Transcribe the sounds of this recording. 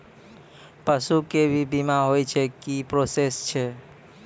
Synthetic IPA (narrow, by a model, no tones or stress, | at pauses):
pəsukebʱibimaɦojt͡ʃʰekipɾosest͡ʃʰe